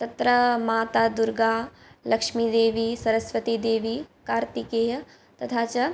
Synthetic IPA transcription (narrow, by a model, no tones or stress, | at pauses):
t̪ɐt̪ɾɐmaːt̪aːd̪uɾɡaː | lɐkʂmid̪eːʋisɐɾəsʋət̪id̪eːʋikaːɾt̪ikeːjɐ | t̪ɐt̪ʰaːt͡ʃɐ